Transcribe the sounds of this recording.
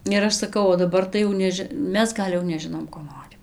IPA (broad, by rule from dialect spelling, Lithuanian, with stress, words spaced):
ɪr ˈɐʃ sɐˈkɐʊ oː dɐˈbɐr tɐɪ jɛʊ ˈnʲæːʒʲɪ ˈmʲɛs ˈɡɐlʲ jɛʊ nʲɛˈʒʲɪnoːm koː ˈnoːrʲɪm